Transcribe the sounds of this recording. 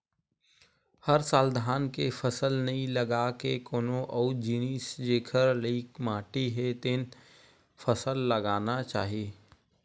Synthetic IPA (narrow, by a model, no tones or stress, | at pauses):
həɾsaːld̪ʱaːnkepʰəsəlnɐɦĩləɡakekoːnoʔɔːd͡ʒiːniːsd͡ʒeːkʰəɾliːkmãːʈiɦet̪ɪn | pʰəsəlːəɡaːnat͡ʃaːɦieː